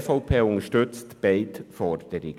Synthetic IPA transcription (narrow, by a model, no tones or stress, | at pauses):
fɔʊpʰeːʊnəʃtʏt͡stb̥ɛɪtfɔɾd̪̥əɾɪɡ